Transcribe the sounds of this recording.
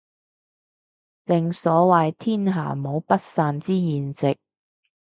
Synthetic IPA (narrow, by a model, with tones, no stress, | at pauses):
lɪ˨ŋsɔː˨˥wɐ˨jt̪ʰiː˥nɦa̰ː˨˩mo˨˧wpɐ˥t̚saː˧nt͡siː˥jiː˨nt͡sɪ˨k̚